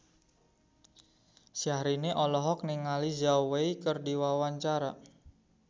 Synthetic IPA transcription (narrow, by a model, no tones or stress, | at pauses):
siahɾineʔɔlɔɦɔk̚niŋalizaweikərdiwawaɲt͡ʃaɾa